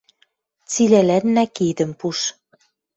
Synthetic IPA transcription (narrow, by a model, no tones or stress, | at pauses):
t͡silælænːækid̪ə̆mpuʃ